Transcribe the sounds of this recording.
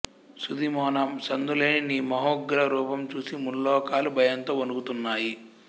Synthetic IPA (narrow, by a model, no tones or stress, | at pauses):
sud̪imɔːnɐmsɐnd̪uleːniniːmɐɦoːɡɾɐɾuːpɐmt͡ʃuːsimulːɔːkaːlubʱɐjɐnt̪o̞ːonukut̪unːaːji